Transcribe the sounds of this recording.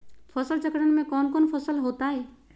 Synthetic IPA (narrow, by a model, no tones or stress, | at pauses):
fʰɐsəlt͡ʃəkɽənmẽkɔːnkɔːnpʰəsəlɦoːt̪aɦɛː